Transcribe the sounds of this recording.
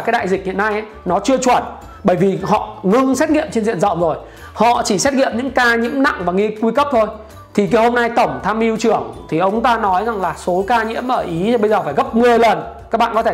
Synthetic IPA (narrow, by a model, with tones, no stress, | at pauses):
kaː˨˦jɗa̰ː˧˨jzï˨˩k̟̚hḭ˧˨ə˨na˧jʔa˨˦nɔ˨˦t͡ɕɨ˧ət͡ɕwə˧˩n | ɓəː˧˩jvi˨˩hɔ̰˧˨ŋɨ˧ŋsɛ˦˥t̚ŋḭ˧˨əmt͡ɕe˧nzḭ˧˨ənzə̰˧˨ŋ͡mzo˨˩j | hɔ̰˧˨t͡ɕi˧˩sɛ˦˥t̚ŋḭ˧˨əmɲɨ̰˧˥ŋkaː˧ɲḭ˧˥əmna̰˧˨ŋvaː˨˩ŋi˧ku˧kə˦˥p̚t̪ʰo˧j | t̪ʰi˨˩ki˨˦ho˧mna˧jt̪ə˧˩wŋ͡mt̪ʰaː˧mʔi˧wt͡ɕɨ˧˩əŋt̪ʰi˨˩ʔə˨˦wŋ͡mŋ͡mt̪aː˧nɔ˨˦jza˨˩ŋlaː˨˩so˨˦kaː˧ɲḭ˧˥əmʔəː˧˩ʔi˨˦˧ɓə˧jzəː˨˩faː˧˩jɣə˦˥p̚mɨ˨˩əjlə˨˩n | kaː˦˥k̚ɓa̰ː˧˨kɔ˨˦t̪ʰe˧